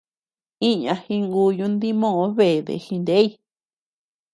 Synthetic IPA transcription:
i˦ɲã˧hĩ˧ŋɡu˧jũ˧˦nd̪i˦mõ˦˧õ˧˦βe˨ðḛ˨hĩ˧nd̪e˦i˧

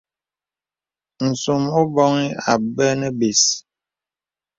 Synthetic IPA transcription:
n̩˨so˨mo˦bɔ˦ŋi˦a̰˨bə˦nə˦be˨s

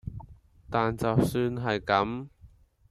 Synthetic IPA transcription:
t̪aː˨nt͡sɐ˨wsyː˧nɦɐ˨jkɐ˨˥m

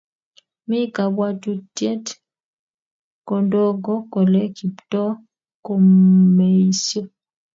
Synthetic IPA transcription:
mi˦ka˨bwa˦tu˦tje˦t | kɔ˨ndo˦ɡɔ˦kɔ˨lɛ˦ki˨ptɔ˦ | ko˨mme˨i˦sjɔ˦

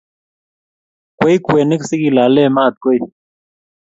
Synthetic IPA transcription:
kwe˦i˦kwe˨ni˦k̬si˦ki˨la˨˦lɛ˦˨ma˦˨t̪̚kwe˦i˦

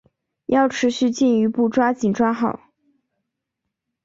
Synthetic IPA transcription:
jɑ˥˩ʊʈ͡ʂʰɻ̩˧˥ɕy˥˧t͡ɕi˥˩ny˧˥pu˥˩ʈ͡ʂwa˥t͡ɕi˨˩nʈ͡ʂwa˥xɑ˥˩˦ʊ

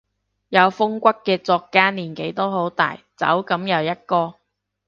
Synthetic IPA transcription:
jɐ˨˧wfʊ˥ŋkʷɐ˥kkːɛː˧t͡sɔː˧kːaː˥niː˨˩nke˨˥jt̪o˥ɦo˨˥wt̪a̰ː˨˩j | t͡sɐ̰˨˥wkɐ˨˥mjɐ˨˧wjɐ˥t̚kɔː˧

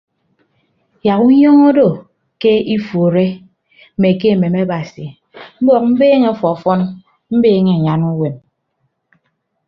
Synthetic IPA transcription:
ja˨ku˦ɲɔ˦ŋo˦do˦˨ | ke˦i˦fo˨ɾe˦ | me˨k̬e˦˨me˨ma˦ba˨si˨ | m̩˦bɔ˨k̚m̩˦beː˦ŋe˦fɔ˨fɔ˦n | m̩˦beː˦ŋe˦˨ɲa˨nu˦we˨m

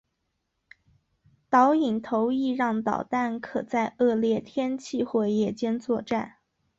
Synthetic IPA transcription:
t̪ɑ˧˥ʊi˨˩ŋt̪ʰo˧˥ʊi˥˧ɻɑ˥˩ŋt̪ɑ̰˨˩ʊt̪a˥˩nkʰɤ˨˩t͡sa˥˧ɪʔɤ˥˧ljɛ˥˩t̪ʰjɛ˥nt͡ɕʰi˥˩xwɛ˥˩jɛ˥˩t͡ɕjɛ˥nt͡swɔ˥˧ʈ͡ʂa˥˩n

